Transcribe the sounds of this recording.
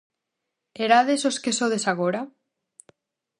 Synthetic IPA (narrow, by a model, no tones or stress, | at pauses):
eɾaðesoskesoðesaɣoɾa